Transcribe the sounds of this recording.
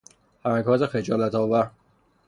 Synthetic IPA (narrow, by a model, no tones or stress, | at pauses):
hæmækʰɒːt̪exed͡ʒɒːlæt̪ʰɒːvæɾ